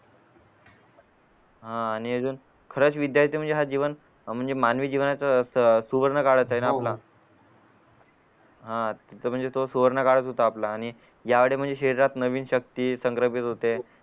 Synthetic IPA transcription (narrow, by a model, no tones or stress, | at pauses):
ɦãːɽ̃iəd͡zuːn | kʰəɾət͡sʋid̪jaɾt̪im̤əɳnd͡zeɦad͡ʑiʋən | m̤əɳd͡zemanʋiːd͡ʑiʋnat͡sasuʋəɾɳəkaɽət͡saɦenaːpla | ɦãt̪əm̤əɳd͡zet̪osuʋəɾɳəkaɽət̪ɦot̪aːplaːɽ̃i | jaʋeɽem̤əɳd͡zeɕeɾiɾat̪nəʋiːnɕək̚t̪iːsəŋkɾəpit̪ɦot̪e